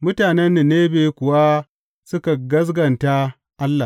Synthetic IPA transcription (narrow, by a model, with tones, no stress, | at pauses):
mʊ˦taː˨nɛ˦nːe˨neː˦beː˨˦kʷʊ˨wa˦ | sʊ˦ka˨ɡɐ˦s̬ɡɐ˨nta˦ | ʔa˦lːa˨